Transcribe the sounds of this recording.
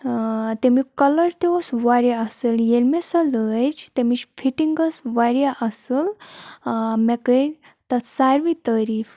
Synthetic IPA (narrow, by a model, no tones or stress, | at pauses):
t̪emikələɾt̪eosʋaɾjaəseljelmesələd͡ʑt̪emit͡ʃfiʈiŋɡəsʋaɾjaʔəsəl | mɛkə | t̪asaɾʋit̪aɾiːf